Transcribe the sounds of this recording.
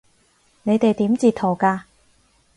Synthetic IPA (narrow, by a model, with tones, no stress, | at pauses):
ne˨˧jt̪e˨jt̪iː˨˥mt͡siː˨˧t̪ʰo˨˩wkaː˧